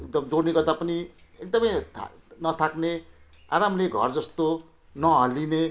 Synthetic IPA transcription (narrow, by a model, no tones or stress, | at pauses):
k̚d̪ʌmd͡zoɽniɡʌrd̪apʌni | ek̚d̪ʌmʌjt̪ʰ | nʌt̪ʰakne | a̰ɾamleɡʱʌ̰rd͡zʌst̪o | nʌɦʌline